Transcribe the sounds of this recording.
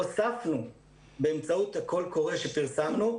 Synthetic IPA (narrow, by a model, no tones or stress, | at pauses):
osafnu | beːmt͡sauthako̞lko̞ʁeʃe̞piʁsamnu